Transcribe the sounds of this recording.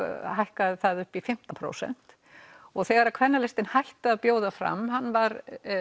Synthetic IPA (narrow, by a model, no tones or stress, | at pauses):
ɦajhkaðθaðʏhpifɪm̥t̪ampʰɾo̰ːwsɛ̰n̥t̪ | ɔɣθɛːɣaɾakʰvɛnːalɛst̪ɪnhajht̪apjoːwðafɾa̰mːhanːvaɾ